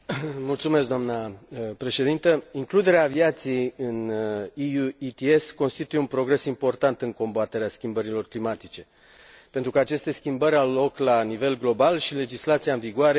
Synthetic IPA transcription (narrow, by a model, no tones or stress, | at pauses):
mult̪sumesk̚d̪oamnəpɾe̞ʃe̞d̪int̪əiŋklud̪e̞ɾeaːviat̪sijejɨniuit̪ie̞sko̞nst̪it̪ujeunpɾo̞ɡɾe̞simpo̞rt̪ant̪ɨŋko̞mbat̪e̞ɾeaskʲimbəɾilo̞rklimat̪it͡ʃe̞ | pe̞nt̪ɾukəat͡ʃe̞st̪e̞skʲimbəɾʲawlo̞klanive̞lɡlo̞balʃile̞d͡ʒislat̪siaɨnviɡuaɾe̞